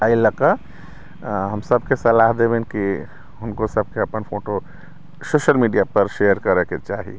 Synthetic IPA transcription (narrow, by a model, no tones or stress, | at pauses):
ailəka | ɦəmsəb̚kesɐlaɦd̪ebẽnki | ɦʊnkosəb̚keəpənpʰoːʈo | soːʃəlmiɖijapəɾʃejəɾkəɾɛket͡ʃaːɦḭ